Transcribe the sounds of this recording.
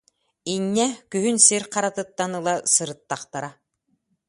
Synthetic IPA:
inːɛkyɦynsiɾqaɾat̪ɯt̪ːanɯlˠasɯɾɯt̪ːaχt̪aɾa

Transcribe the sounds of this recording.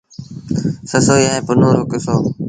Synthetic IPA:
səsoːiaːẽːpʊnoːɾoːkɪsoː

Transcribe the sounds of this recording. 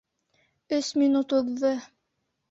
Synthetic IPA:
ɵsminut̪uðːɤ

